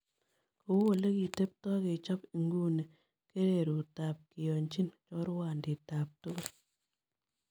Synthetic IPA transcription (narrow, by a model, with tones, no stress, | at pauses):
ko˦u˦wo˨le˦ki˨te˦p̚tɔ˦ke˨t͡ʃɔ˦pi˨ŋɡu˦ne˨ | ke˦ɾe˨ɾu˨ta˨p̚ki˨jo˨ɲt͡ʃi˦nt͡ʃɔ˦ɾwa˨ndi˨taː˨p̚tu˦ko˦